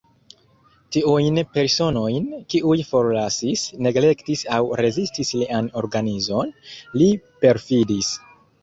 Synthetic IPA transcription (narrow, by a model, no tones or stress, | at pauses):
tiujnpe̞ɾso̞no̞jnkiʔujfo̞ɾlasisne̞ɡle̞ktisawɾe̞zistisliano̞ɾɡanizo̞nlipe̞ɾfidis